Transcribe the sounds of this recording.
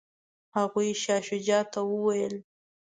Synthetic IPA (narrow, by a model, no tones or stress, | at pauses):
haɣujʃɑʃʊd͡ʒɑt̪awəwajəl